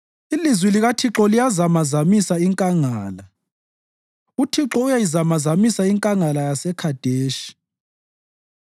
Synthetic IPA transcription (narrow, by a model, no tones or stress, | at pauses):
ilizwiliɣatʰiǁɔlijazamazamisaiŋkʼaŋaːla | utʰiǁɔujajizamazamisaiŋkʼaŋalajasɛkʰad̥ʱeːʃi̥